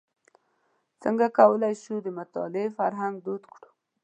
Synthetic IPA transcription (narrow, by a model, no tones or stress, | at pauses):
t͡səŋɡakawəlajʃud̪əmʊt̪ɑ̰lɪefaɾɦaŋɡ̚d̪od̪kɽu̥